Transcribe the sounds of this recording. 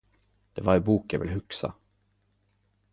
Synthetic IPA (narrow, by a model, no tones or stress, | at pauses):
d̪̥ɛvaɾɛbuːkjavɪ̰lɦɵksa̰